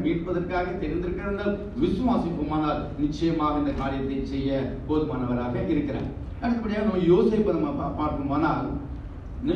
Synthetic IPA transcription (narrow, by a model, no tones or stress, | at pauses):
ʋiːʈpɐðɐɾkaːɣɐt̪ɛɾɪnd̪ɪɾɯkːɪɾɐʋɐnd̪aːl | ʋɪsɐʋaːsɪkːɯmaːnaːl | nɪt͡ʃːɐjɐmaːɣɐɪnd̪ɐkaːɾɪjɐt̪ːɐɪsɛjːɐpoːðɯmaːnɐʋɐɾaːɣɐʔɪɾɯkːɪɾḛ̃ː | ɐnɐkːɐpːɐɽɪjaːɐnɐmːɐjoːseːpːɐnɐmːɐpːpaːɾkːɯmaːnaːl | nɪ